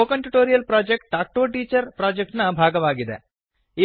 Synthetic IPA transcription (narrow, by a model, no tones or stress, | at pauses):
oːkɐɳʈuʈoːɾijɐlpɾaːd͡ʒek̚ʈ̚ʈaːk̚ʈoːʈiːt͡ʃɐɾpɾaːd͡ʒek̚ʈnɐbʱaːɡɐʋaːɡid̪e | i